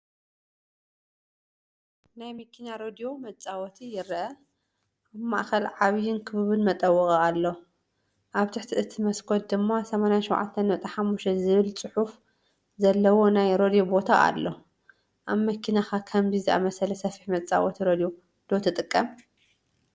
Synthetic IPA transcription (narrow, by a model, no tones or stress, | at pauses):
najmɐkʰːinaɾod̪ijo̞mɐt͡sʼawɔt̪ʰijɪɾʔɐ | ʔaβma̰ʔxɐlʕaβjɪnkʰɨβɨβɨnmɐt̪ʼɐwːɨkʼɐalːo | ʔaβt̪ʰɨħt̪ʰiʔɨt̪ʰɨmɐskʰot̪̚d̪ɨmːasɐmanjaʃɛwʕa̰t̪ʰːɐnmɐt̪ʼɐħamːuʃtɐzɨβɨlt͡sʼɨħuf | zɐlːɐwo̞najɾo̞d̪ijo̞bo̞t̪ʰa̰a̰lːo | ʔaβmɐkʰinaxakʰɐmzizɨʔa̰mɐsɐlɐsɐfi̥ħmɐt͡sʼa̰wɔt̪ʰiɾod̪ijo̞ | d̪̥ot̪ʰɨt̪ʼɨkʼːɐm